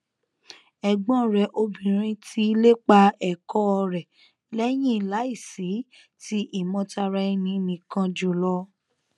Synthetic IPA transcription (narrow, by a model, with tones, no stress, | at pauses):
ɛ˨ɡ͡bɔ̃˨˦˨ɾɛ˨ʔo˧bĩ˨ɾ̃ĩ˧ti˦i˧le˦k͡pa˧ɛ˨kɔ˦ɔ˧ɾɛ˨ | lɛ˦j̃ĩ˦i˨la˨˦i˦˨si˨˦ | ti˦ʔi˦˨mɔ̃˨˧ta˧ɾa˧i˧nĩ˧˦nĩ˨kã˧d͡ʒo˨lɔ˧˦